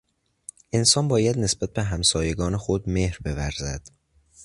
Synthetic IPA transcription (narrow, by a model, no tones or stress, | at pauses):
ʔensɒːnbɒːjæd̪nesb̥æt̪̚be̞ɦæmsɒːjeɡɒːnexod̪mehɾbe̞væɾzæd̪̥